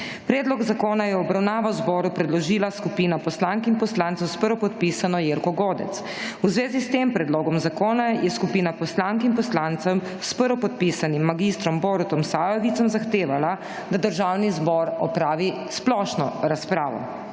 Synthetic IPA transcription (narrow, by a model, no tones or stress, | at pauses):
pɾɛːd̪lɔɡzakoːnajɛɔbɾawnaːʋawzbɔːɾupɾɛd̪lɔʒiːlaskupiːnapɔslaŋkimpɔslaːnt̪ɛwspəɾʋɔpɔt̪pisanɔjeːɾkɔɡoːd̪ɛ̰t̪s | uzʋeːzist̪empɾɛd̪loːɡɔmzakoːnajɛskupiːnapɔslaŋkimpɔslant̪sɔm | spəɾɔpɔt̪̚pisanimːaɡist̪ɾɔmbɔɾt̪ɔmsaːjɔʋit̪sɔmzaxt̪eːʋala | d̪ad̪əɾʒawnizbɔɾɔpɾaːʋi | splɔʃnɔɾaspɾaːʋɔ̰